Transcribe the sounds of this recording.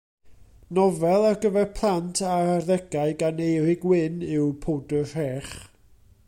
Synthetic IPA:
nɔvɛlˠarɡəvɛrpʰlˠantʰaarðɛɡ̥aɨɡanejɾɪɡwɪnɪwpʰodərɛːχ

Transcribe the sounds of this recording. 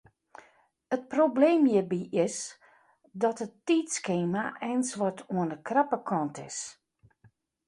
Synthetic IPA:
ət̚probleːmjəbiʔɪs | dɔtətːiːtskeːmaʔɛjnsʋɔtʰuənəkrapəkʰɔntʰɪs

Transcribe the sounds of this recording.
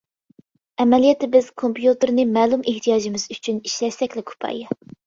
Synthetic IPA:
ɛmɛlijɛt̪ɪbɪz̥kʰompjut̪ɨɾnɨmɛːlˠumʔeht̪ʰijɑːʒimɪz̥yt͡ʃʰyniʃlɛʃsɛkʲlɛkʰu̥pʰɑ̰jɑ

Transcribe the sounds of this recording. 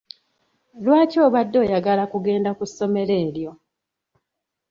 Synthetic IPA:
lwaːco̞ːβadːo̞ːjaɡalakuɡe̞ːndakusːo̞me̞le̞ːljo̞

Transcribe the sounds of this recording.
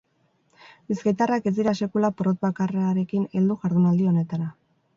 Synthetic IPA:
biskajt̪arake̞zd̪iɾase̞kulapɾot̪̚bakaraɾe̞kine̞ld̪uʝaɾðunald̪io̞ne̞t̪aɾa

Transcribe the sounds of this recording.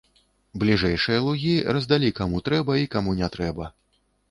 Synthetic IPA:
blʲiʐɛjʂɨjɐlˠuɣʲirɐzd̪alʲikamut̪ɾɛbɐikamunʲɛt̪ɾɛbɐ

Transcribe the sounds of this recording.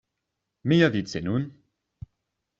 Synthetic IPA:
mijavidsenun

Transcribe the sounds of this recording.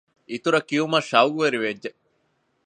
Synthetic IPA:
it̪uɾɐkiumɐʃɐwɡuʋeɾiʋedːe

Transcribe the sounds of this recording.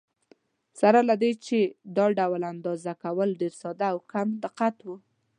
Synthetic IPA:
saɾalad̪et͡ʃed̪ɑɖawland̪ɑzakawəlɖeɾsɑd̪aːwkamd̪ɪqat̪wu

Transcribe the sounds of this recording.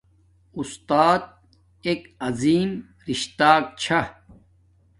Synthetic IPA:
ust̪aːt̪̚ | ekɐziːm | ɾiɕt̪aːk̚t͡ɕʰa

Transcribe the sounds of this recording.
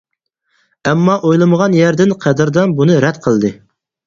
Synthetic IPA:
ɛmːɑʔojlˠɨməʁɑnjæɾd̪ɪnqʰɛd̪ɪɾd̪ɑnbunɨɾɛd̪qʰəlˠd̪ɨ

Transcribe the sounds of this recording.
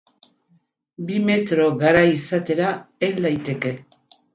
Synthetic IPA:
bime̞t̪ɾoɣaɾajisat̪e̞ɾaeld̪ajt̪e̞ke̞

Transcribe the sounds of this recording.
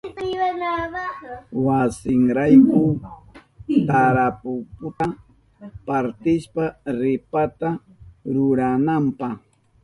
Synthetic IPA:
wana | wasɪŋɾajkʊ | t̪aɾapʊpʊt̪a | paɾt̪ɪʃpaɾɪpat̪a | ɾʊɾanampɑχ

